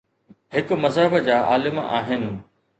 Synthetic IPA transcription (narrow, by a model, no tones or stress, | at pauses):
ɦɪkʊ̆mɐzɦəbəd͡ʑaːʔa̰ːlɪma̰ːɦɪnɪ̆